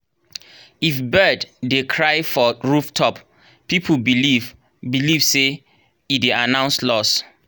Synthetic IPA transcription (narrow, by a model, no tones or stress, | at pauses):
ifbɜdːekʰɹaɪfɔɹuftʰɔp | pipʰubiliv | biliv̥se | ideanãʊ̃nslɔs